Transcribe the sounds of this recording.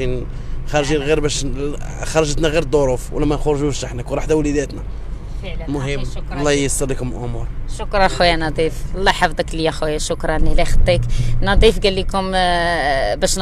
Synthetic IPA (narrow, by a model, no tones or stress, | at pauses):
in | xɑɾˤʒinɣiɾbæʃ | xɑɾˤɑʒət̪næɣiɾd̪ˤoɾˤufwə̰lːæmænxʊɾʒuʃaħnækuɾˤɑħd̪æwlid̪æt̪næ | fəʕlmʊɦəmmːwlˤːɑhjəst̪ɑlˤːikʊmlʔʊmuɾˤʃʊkɾˤɑxwjænɑd̪ˤiflˤːɑħafd̪ˤəklijæxujːæʃʊkɾˤɑnilæxət̪ˤːiknɑd̪ˤifɡælːikʊm | bæʃn